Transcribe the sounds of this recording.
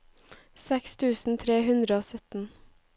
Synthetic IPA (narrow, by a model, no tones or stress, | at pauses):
sɛkst̪ʰʉːsn̩t̪ʰɾeːhʉnd̪ɾəoːsœt̪n̩